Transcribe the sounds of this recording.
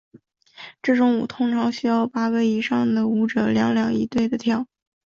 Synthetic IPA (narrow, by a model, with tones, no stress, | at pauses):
ʈ͡ʂɤ˥˩ʈ͡ʂʊ˧˥ŋu˨˩t̪ʰʊ˥ŋʈ͡ʂʰɑ˧˥ŋɕy˥jɑ˥˩ʊpa˥ke˧˥ɪi˧˥ʂɑ˥˩ŋd̪ə˩u˧˥ʈ͡ʂɤ˨˧˩ljɑ˧˥ŋljɑ˨˩ŋi˧˥t̪we˥˩ɪd̪ə˩t̪ʰjɑ˥˩ʊ